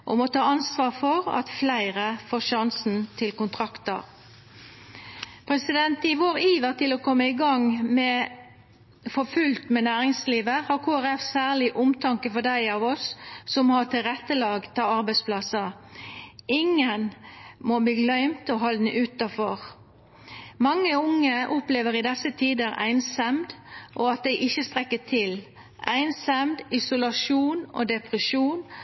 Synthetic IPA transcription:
ʔo̰mɔt̪ʰɑːɑnsʋɑːʁfɔʁɑ̰t̪flæɪʁəfoːʃɑnsn̩t̪ʰɪlkʊnt̪ʰʁɑkt̪əʁ | pʰɾɛsɪd̪ɛnt̪ɪʋoːɾiːʋəʁt̪ɪlɔkʰɔmːəɪɡɑŋmɛ | fɔfʉlt̪mɛnæːɾɪŋsliːʋəhɑʁkʰoːæʁɛfsæːʁlɪʔʊmt̪ʰɑŋkəfɔd̪æɪɑːʋɔsːɔmːhɑt̪ɪlʁɛt̪ːəlɑːɡt̪ʰɑːɑɾbæɪspʰlɑsə | ɪŋːənmobliːlœʏmt̪ɔɦɑːd̪n̩ʔʉːt̪ɑfɔʁ | mɑŋːəʊŋːəʔʊpleːʋəʁɪd̪ɛsət̪ʰiːd̪əɾæ̰ɪnsɑmd̪ʔoːɑt̪̚d̪æɪʔɪçːəst̪ʁɛkːət̪ʰɪl | ʔæ̰ɪnsɑmd̪ɪsʊlɑʂuːno̰ːd̪ɛpʁəʃuːn

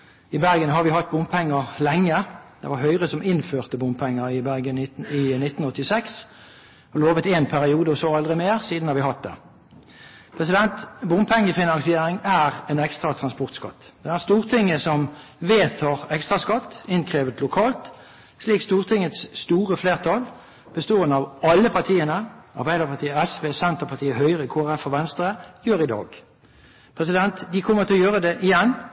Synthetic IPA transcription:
ɪbæʁɡənɦɑʁʋɪhɑt̪̚ːbʊmpʰɛŋːəʁlɛŋːəd̪̥ɛ̰ʋɑʁɦœʏʁəsɔmɪnføːʁt̪əbʊmpʰɛŋːəʁɪbæʁɡənɪnɪt̪ːn̩ɔt̪ːɪsɛks | ɔloːʋət̪eːnpʰæʁɪuːd̪əɔsɔɑld̪ʁɪmeːʁsiːd̪n̩hɑɾʋɪhɑt̪̚d̪ɛ̰ | pʰʁɛsɪd̪ɛnt̪bʊmpʰɛŋːəfɪnɑnsɪeːʁɪŋæːʁɛnɛkst̪ʁɑt̪ʰʁɑnspɔʁt̪skɑ̰t̪ːd̪̥ɛæʁst̪uːʁt̪ʰɪŋːəsɔmʋeːt̪ʰɑːʁɛkst̪ʁɑskɑt̪ːɪnkʰʁeːʋət̪lʊkʰɑːlt̪ | sliːkst̪uːʁt̪ʰɪŋːət̪sst̪uːʁəfleːʁt̪ʰɑl | b̥əst̪oːənɑʋɑlːəpʰɑʁt̪ʰiːənəʔɑ̰ʁbæɪd̪əʁpɑt̪ʰiːəɛsʋeːsɛnt̪əʁpʰɑʁt̪ʰiːəhœʏʁəɪkʰoːæʁɛfɔʋɛnst̪ʁəjøːʁɪd̪ɑ̰ːɡ | pʰʁɛsɪd̪ɛnt̪d̪ɪkʰɔmːət̪ɪɔjøːʁəd̪ɛʔɪjɛnː

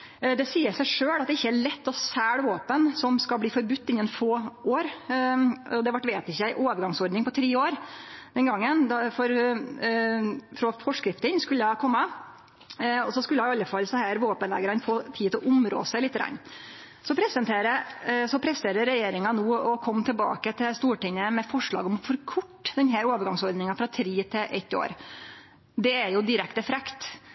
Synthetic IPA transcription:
d̪ɛsiːəsæɪʂøːlɑt̪d̪ɪçːəæɭɛt̪ːɔsæːɽʋoːpənsɔmskɑlbliːfɔɾbʉt̪ːɪnːənfoːoːɾ | ɔd̪ɛʋɑʈːʋeːt̪ɪçəæɪʔoːʋəɾɡɑŋsɔɾɖ̪nɪŋpɔt̪ʰɾeːoːɾd̪ɛnɡɑŋːənd̪ɑfɔɾ | fɾɔfɔʂkɾɪft̪ənskʉlːəɑkʰɔmːə | ɔsɔskʉləɑɪɑlːəfɑlːsɔhæːɾʋoːpənlɛ̰ːɡəɾənfoːt̪ʰiːt̪ɪlʔʊmɾo̰ːsæɪlɪt̪ːəɡɾɑ̰nː | sɔpʰɾɛsənt̪ʰeːɾəsɔpʰɾɛst̪eːɾəɾɛjeːɾɪŋɑnuːɔkʰɔmːt̪ʰɛlbɑ̰ːkət̪ʰɪlst̪uːʈɪŋːəmɛfɔʂɭɑ̰ːɡɔmɔfɔɾkʰʊʈːd̪ɛnɦæːɾoːʋəɾɡɑŋsɔɾd̪nɪŋɑfɾɑt̪ʰɾiːt̪ʰɪʔɛ̰t̪ːɪo̰ːɾ | d̪ɛæɾjʊd̪ɪɾɛkt̪əfɾɛkt̪

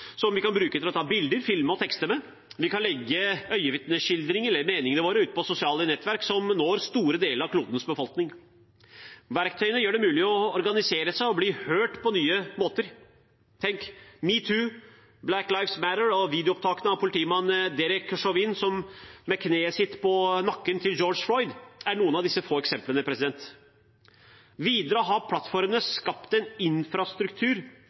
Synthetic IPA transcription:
sɔmʋɪkɑnbɾʉːkət̪ɪlɔt̪ʰɑːbɪld̪əɾfɪlməɔt̪ʰɛkst̪ənə | ʋɪkɑnlɛɡːəœʏəʋɪt̪nəɕɪld̪ɾɪŋəɛləɾmeːnɪŋənəʋoːɾəʉːt̪pʰɔsʊsɪɑːlənɛt̪ːʋæɾksɔmnoːɾst̪uːɾəd̪eːləɾɑʋkʰluːd̪ənəsbəfɔlknɪŋ | ʋæɾkt̪ʰœʏənəjøːɖɛmʉːlɪɔɔɾɡɑnɪseːɾəsæɪɔbliːhøːʈpʰɔnyːəmoːt̪əɾ | t̪ʰɛŋkmiːt̪ʰʉː | blæklaɪfsmæɾəɹɔʋiːd̪ɛʊɔp̚t̪ʰɑːkənəɑʋpʰʊlɪt̪iːmɑnd̪ɛɾɪkʂɔʋɪnsɔmmɛkʰneːsɪt̪ːpʰɔnɑkːənt̪ʰɪld͡ʒoːd͡ʒflɔʏd̪æɳuːənɑʋd̪ɪsːəfoːɛksɛmplənəpʰɾɛsɪd̪ɛnt̪ | ʋiːd̪əɾəɔɦɑpʰlɑt̪fɔɾmənəskɑpt̪ɛnɪnfɾɑst̪ɾʉkt̪ʰʉːɾ

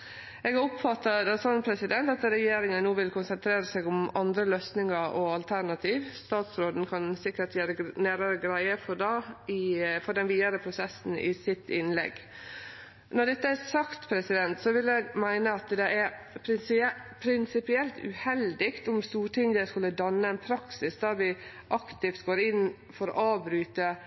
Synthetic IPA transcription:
ɛːɡɑʊpfɑt̪ːɑd̪ɛsɑnpʰɾɛsɪd̪ɛnt̪ɑt̪ɾɛjeːɾɪŋənnːuːʋɪlkʊnsənt̪ʰɾeːɾəsɛɡʊmɑnd̪ɾəløːsnɪŋɑɾʔɔɑlt̪ʰæɾɳɑt̪ʰiːʋst̪ɑːt̪sɾoːd̪n̩kʰɑnsɪkːəʈjæːɾənæːɾəɾəɡɾæɪəfɔɖɑɪfɔɖɛnʋiːd̪ɑɾəpʰɾʊsɛsn̩ɪ̰sɪt̪ʰːɪnlɛ̰ɡ | nɔɖɛt̪ːəæsɑkt̪pʰɾɛsɪd̪ɛnt̪sɔʋɪlɛɡmæɪnəɑt̪d̪ɛʔæɾ | pʰɾɪpʰɾɪnsɪpɪɛlt̪ʰʉ̰hɛld̪ɪkt̪ʊmst̪uːʈʰɪŋd̪əskʉlːəd̪ɑnːəɛnpʰɾɑksɪsd̪ɑɾʋɪ | ʔɑkt̪ɪft̪ɡoːɾɪnː | fɔɾɔ̰ʔɑːʋbɾyːt̪ə

